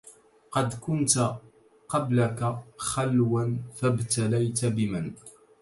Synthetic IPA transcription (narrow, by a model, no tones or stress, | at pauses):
qɑd̪kʊnt̪ | qɑblakaxalwanfabt̪alajt̪abɪmɪn